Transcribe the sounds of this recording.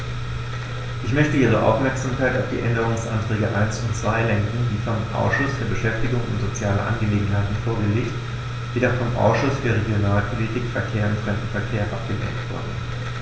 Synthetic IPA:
ʔɪçmœçtəʔiːʁ̞əʔa̰ʊfmɛɐkz̥amkaɪtaʊfd̥ḭːʔɛndəʁ̞ʊŋsʔa̰ntʁ̥ɛːɡəʔa̰ɪnsʊnt͡sv̥aɪlɛŋkŋ̩diːfɔmʔa̰ʊsʃʊsfyːɐbəʃɛftɪɡʊŋʊ̰ntz̥ot͡sjaːlə̰ʔa̰nɡəleːɡŋ̩ɦaɪtn̩foːɐɡəleːçt | veːdɐfɔmʔa̰ʊsʃʊsfyːɐʁ̞eɡjonaːlpʰolitʰikfɛɐkʰeːɐʊntfʁ̥ɛmdn̩fɛɐkʰeːɐʔa̰p̚ɡ̥ənɛ̰ɐntv̥ʊ̰ɐdn̩

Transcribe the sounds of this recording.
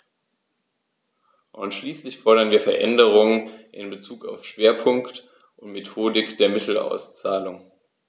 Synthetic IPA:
ʔʊnʃliːslɪçfɔɐɾɐnviːɐfɛɐʔɛndəʁ̞ʊŋənʔɪ̰nbət͡suːka̰ʊfʃv̥eːɐpʰʊŋkt | ʔʊntmetʰoːdɪkd̥eːɐmɪtʰl̩a̰ʊst͡saːlʊŋ

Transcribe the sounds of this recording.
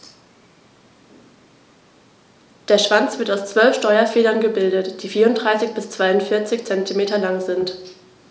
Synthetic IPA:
d̥eːɐʃv̥ant͡sv̥ɪɐtaʊst͡sv̥œlfʃtɔʏɐfeːlɐnɡəbɪldətd̥iːfiːɐʊnd̥ʁaɪsɪçb̥ɪst͡sv̥aɪʊntfɪɐt͡sɪçt͡sɛntimeːtɐlaŋzɪnt

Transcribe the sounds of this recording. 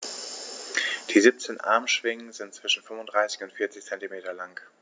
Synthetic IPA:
d̥iːzip̚t͡seːnʔa̰ɐmʃv̥ɪŋənzɪntt͡sv̥ɪʃn̩fʏmʊndʁaɪsɪ̥çʊntfiːɐt͡sɪçt͡sɛntimeːtɐlaŋ

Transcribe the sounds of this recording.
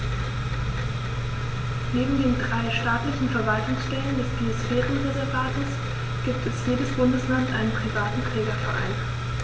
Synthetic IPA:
neːbm̩deːndʁaɪʃtaːtlɪçn̩fɛɐvaltʊŋsʃtɛləndɛsb̥iːosfɛːʁənʁɛzɛɐvaːtəs | ɡ̥iːp̚tɛsjeːdəsb̥ʊndəslantʔaɪnənpʁ̥ivaːtn̩tʁ̥ɛːɡɐfɛɐʔa̰ɪn

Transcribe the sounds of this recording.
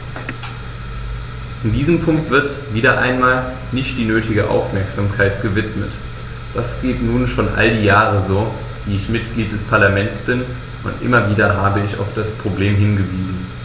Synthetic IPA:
ʔɪndiːzəmpʰʊŋktv̥ɪɐt | viːɾɐʔa̰ɪnmaːl | nɪçtd̥iːnøːtɪɡəʔa̰ʊfmɛɐkz̥aːmkʰaɪtɡ̥əvɪtmət | d̥asɡ̥eːtnuːnʃoːnʔa̰ldiːjaːʁəzoː | viːɪçmɪt̚ɡ̥liːt̚d̥ɛspʰaɐlamɛntt͡sb̥ɪn | ʔʊ̰ntʔɪ̰mɐviːdɐɦaːbəɪça̰ʊfd̥aspʁ̥obleːmɦɪnɡəviːzn̩

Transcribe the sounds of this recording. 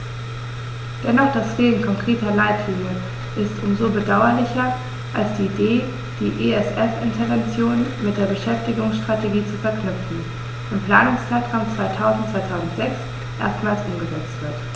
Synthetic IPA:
d̥ɛnɔχd̥asfeːn̩kʰɔŋkʁ̥eːtɐlaɪtʰlɪnjə | ʔɪstʔʊmzobədaʊɐlɪçɐ | ʔalsd̥iːdeː | d̥iːʔeɛsʔɛfɪ̰ntʰɐvɛnt͡sjoːnmɪt̚d̥eːɐbəʃɛftɪɡʊŋsʃtʁ̥ateɡiːt͡sufɛɐknʏpp͡fn̩ | ɪmpl̥aːnʊŋst͡saɪtʁ̥aʊmt͡sv̥aɪtʰaʊzn̩tt͡sv̥aɪtʰaʊzn̩tz̥ɛks | ʔḛːɐstmaːlsʔʊmɡəzɛt͡stv̥ɪɐt

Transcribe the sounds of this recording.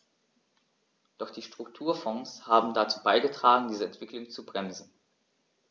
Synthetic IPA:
d̥ɔχd̥iːʃtʁ̥ʊk̚tʰuːɐfɔŋshaːbm̩dat͡suːbaɪɡətʁ̥aːɡŋ̩diːzəɛntv̥ɪklʊŋt͡subʁɛmzn̩

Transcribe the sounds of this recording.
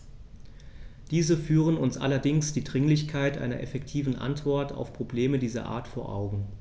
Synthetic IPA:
d̥iːzəfyːʁənʊnsʔa̰lɐdɪŋsd̥iːdʁɪŋlɪçkʰaɪtʔa̰ɪnɐ̰ʔɛfɛktʰiːvn̩ʔa̰ntv̥ɔɐta̰ʊfpʁ̥obleːmədiːzɐ̰ʔa̰ːɐtfoːɐʔa̰ʊɡŋ̩

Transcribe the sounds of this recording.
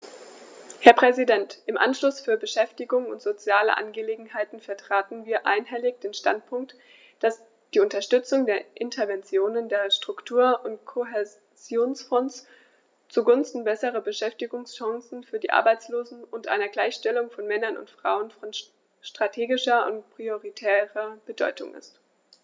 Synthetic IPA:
hɛɐpʁ̥ɛzidɛntʔɪmʔa̰nʃlʊsfyːɐbəʃɛftɪɡʊŋʊntz̥ot͡sjaːlə̰ʔa̰nɡəleːɡŋ̩haɪtn̩fɛɐtʁ̥aːtn̩viːɐʔa̰ɪnɦɛlɪçd̥eːnʃta̰nt̚pʰʊŋk̚t | d̥as | d̥iːʊntɐʃtʏt͡sʊŋdeːɐʔɪntʰɐɐvɛnt͡sjoːnəndeːɐʃtʁ̥ʊktʰuːɐʔʊntkʰoɦɛ | z̥joːnsfɔns | t͡suɡʊnstn̩bɛsəʁɐbəʃɛftɪɡʊŋsʃaŋsn̩fyːɐdiːʔa̰ɐbaɪt͡sloːzn̩ʊntʔa̰ɪnɐɡlaɪçʃtɛlʊŋfɔnmɛnɐnʊ̰ntfʁ̥a̰ʊənfɔn | ʃtʁ̥atʰeːɡɪʃɐʊ̰ntpʁ̥ioʁitʰɛːʁɐb̥ədɔ̰ʏtʰʊ̰ŋʔɪ̰st

